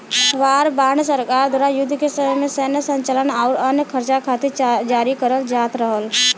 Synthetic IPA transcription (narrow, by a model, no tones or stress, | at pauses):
ʋaːɾbaːɳsəɾkaːɾd̪ʱwaːɾajʊd̪ʱːkesəməjmẽsəɦnəsə̃ɲt͡ʃalənaːɾənjəkʰəɾt͡ʃakʰaːt̪ed͡ʒaːɾikəɾəld͡ʒaːt̪ɾəɦəl